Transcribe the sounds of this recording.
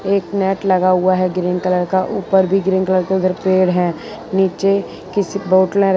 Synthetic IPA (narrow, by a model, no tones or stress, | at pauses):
eːknɛːʈlɐɡaɦʊaɦɛɡɪɾɪ̃ŋɡkələɾkaʔuːpəɾbʱiɡɾɪ̃ːŋkələɾkeʊd̪əɾpeːɽɦɛ̃ | niːt͡ʃe | kɪsiboːʈəlẽɾ